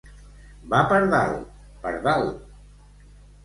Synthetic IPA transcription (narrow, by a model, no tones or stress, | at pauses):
bapəɾðal | pə̰ɾðal